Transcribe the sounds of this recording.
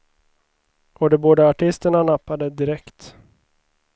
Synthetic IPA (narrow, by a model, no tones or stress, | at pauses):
ʔɔd̪ɛboːd̪əaʈʰɪst̪əɳanapːad̪əd̪ɪɾɛkt̪